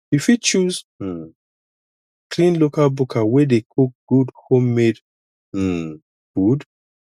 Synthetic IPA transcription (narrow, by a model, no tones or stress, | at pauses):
ifit͡ʃuz̩ | kʰlĩnlokalbukʰawɛdekʰuk̚ɡ̥udhõmːed̩ | ɡ̥ud